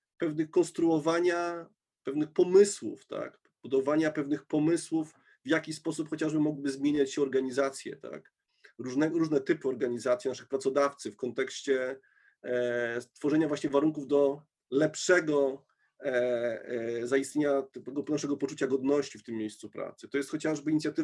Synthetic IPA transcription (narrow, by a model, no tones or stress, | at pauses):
pɛvnɘxkɔ̃nst̪ɾuɔvaɲa | pɛvnɘxpɔmɘswṵft̪a̰k | b̥ud̪ɔvaɲapɛvnɘxpɔmɘswuf | vjakʲispɔsupxɔt͡ɕaʐbɘmɔɡwibɘzmʲjeɲat͡ɕɕɛɔɾɡaɲizat̪sʲjɛ̰t̪a̰k | ɾuʐnɛɾuʐnɛt̪ɘpɘɔɾɡaɲizat̪sʲinaʂɘxpɾat̪sɔd̪aft̪sɘfkɔnt̪ɛkɕt͡ɕɛ | st̪fɔʐɛɲavwaɕɲɛvaɾuŋkuvd̪ɔ | lɛpʂɛɡɔ | zajist̪ɲeɲat̪ɛɛɡɔpnaʂɛɡɔpɔt͡ʂut͡ɕaɡɔd̪nɔɕt͡ɕift̪ɘmːʲjejst̪supɾa̰t̪sɘ̥t̪ɔjɛst̪xɔt͡ɕaʐbɘiɲit̪sʲjat̪ɘ